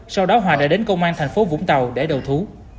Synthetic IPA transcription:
sa˧wɗɔ˨˦ɦwaː˨˩ɗa̰ː˧˥ɗe˨˦nkə˧wŋ͡mʔaː˧nt̪ʰɛ˨˩ŋ̟fo˨˦vʊ̰˧˥ŋ͡mt̪ə˨˩wɗe˧˩ɗə˨˩wt̪ʰu˨˦

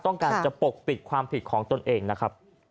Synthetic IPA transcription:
t̪ɔ˥˩ŋkaː˧nt͡ɕa˨˩po˨˩k̚pi˨˩t̪̚kʰwaː˧mpʰi˨˩t̪̚kʰɔː˩˦ŋt̪o˧nʔeː˧ŋna˦˥kʰa˦˥p̚

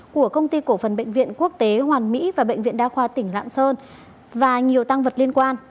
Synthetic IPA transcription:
ku˧˩əkə˧wŋ͡mt̪i˧ko˧˩fə˨˩nɓə̰˧˨ŋ̟vḭ˧˨ənku˦˥ək̚t̪e˨˦ɦwaː˨˩nmḭ˧˥vaː˨˩ɓə̰˧˨jŋ̟vḭ˧˨ənɗaː˧xwaː˧˩t̪ï˧˩ŋ̟la̰ː˧˨ŋsəː˧n | vaː˨˩ɲi˨˩əwt̪a˧ŋvə˨˩t̚li˧ənkwaː˧n

